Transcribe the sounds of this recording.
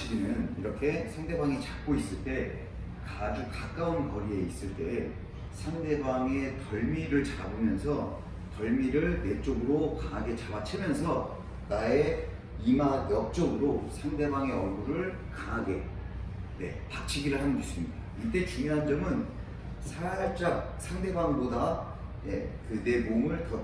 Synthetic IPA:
t͡ɕiɡinɯniɾʌkʰe̞sʰaŋde̞baŋit͡ɕak̚k͈ois͈ɯɭt͈e̞ | kad͡ʑukak͈aunkʌɾie̞is͈ɯɭt͈e̞ | sʰaŋde̞baŋe̞tʌɭmiɾɯɭt͡ɕaɾabomjʌnsʰʌ | tʌɭmiɾɯɭne̞t͡ɕ͈oɡɯɾokaɦaɡe̞t͡ɕabat͡ɕʰɯmjʌns̬ʰʌ | nae̞ | imajʌk̚t͡ɕ͈ʌɡɯɾosʰaŋde̞baŋe̞ʌɭɡuɾɯɭ | kaŋɦaɡe̞ | ne̞̰pat͡ɕʰiɡiɾɯɭɦanɯndis͈ɯmɲidait͈e̞kiŋɦand͡ʑʌmɯn | sʰat͡ɕ͈ak̚sʰaŋde̞baŋboda | je̞kɯne̞momɯɭtʌ

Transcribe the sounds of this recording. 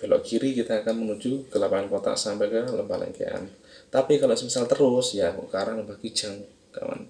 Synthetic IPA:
balo̰ʔkiɾikit̪aːkanmənud͡ʒukəlapaankot̪a̰ʔsampɛkələmbalɛ̰ŋkḛʔa̰n | t̪apikalosəmisalt̪əɾʊsjakṵʔkaɾaŋməmbahki̥d͡ʒaŋ | ka̰wa̰n

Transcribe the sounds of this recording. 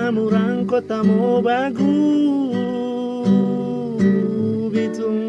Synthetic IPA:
amuɾaŋ̩kɔt̪amɔbaɡu | bito

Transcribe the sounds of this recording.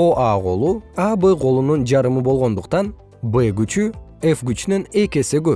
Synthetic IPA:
o̞ʔɑʁo̞lˠuɑbɨqo̞lˠunund͡ʒɑɾɯmɯbo̞lˠʁo̞nd̪uqt̪ɑn | beɡyt͡ʃyefɡyt͡ʃynyne̞ke̞siɡøp̚

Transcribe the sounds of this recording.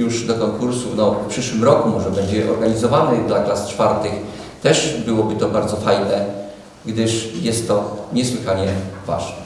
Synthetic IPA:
juʐd̪ɔkɔŋkuɾsufnɔfpʂɘʂwɘmɾɔkumɔʐɛbɛɲd͡ʑɛʔɔ̰ɾɡaɲizɔvanɛd̪laklast͡ʂfaɾt̪ɘx | t̪ɛʐbɘwɔbɘt̪ɔbaɾd̪zɔfajnɛ | ɡd̪ɘʂjɛst̪ːɔɲɛswɘxaɲɛva̰ʐnɛ

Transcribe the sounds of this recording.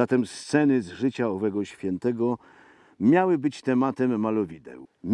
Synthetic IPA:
at̪ɛmst̪sɛnɘzʐɘt͡ɕaɔvɛɡɔɕfʲjɛnt̪ɛɡɔ | mʲjawɘbɘt͡ɕt̪ɛmat̪ɛmːalɔvʲid̪ɛ̰wmʲ

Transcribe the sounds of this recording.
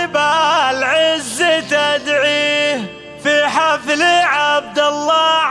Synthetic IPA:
balʕɪzːɪt̪ad̪ʕiː | fiħafliʕab̚d̪alˤːɑ

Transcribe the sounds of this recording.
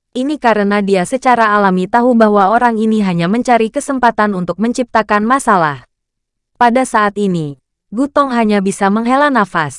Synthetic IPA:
ʔinikaɾənadiasət͡ʃaɾaːlamit̪aɦubaɦwaoɾaŋiniɦaɲaməɲt͡ʃaɾikəsəmpat̪anunt̪ʊk̚məɲt͡ʃip̚t̪akanmasala̰h | padasaat̪ini | ɡut̪ɔŋɦaɲabisaməŋɦelanafas

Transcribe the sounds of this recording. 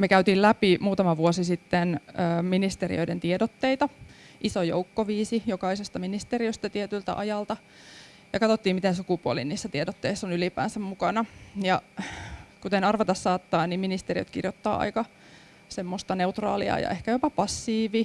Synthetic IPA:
mekæyt̪iːllæpimuːt̪ɑmɑʋuosisit̪ːenəːminist̪erḭø̰jdent̪iedot̪ːeit̪ɑʔisojo̰ukːoʋiːsijokɑisest̪ɑminist̪eriøst̪æt̪iet̪ylt̪æ̰ʔɑjɑlt̪ɑ | jɑkɑt̪ot̪ːiːmit̪ensukupuolḭniːsːæt̪iedot̪ːeisːonylipæ̰ːnsæmmukɑnɑjɑ | kut̪enɑrʋɑt̪ɑssɑːt̪ːɑːnniminist̪eriø̰t̪kḭrjot̪ːɑ̰ːɑ̰ikɑ | semːost̪ɑneut̪rɑ̰ːlḭɑ̰ːjɑ̰ʔehkæjopɑpɑsːiːʋi

